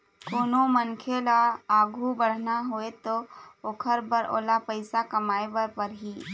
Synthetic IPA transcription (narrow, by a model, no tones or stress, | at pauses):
koːnomənkʰelaaːɡʱubɐɽ̤naɦoet̪ooːkʰəɾbəɾʔo̰ːlapəɪsakɐmaːebəɾpəɾɦiː